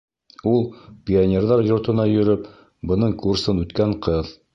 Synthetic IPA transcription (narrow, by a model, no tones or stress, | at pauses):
ulˠpʲɪonʲerðɑɾjŏɾt̪ɤ̆nɑjɵ̆ɾɵp | bɤ̆nɤɴkursɤnʉt̪kæɴqɤð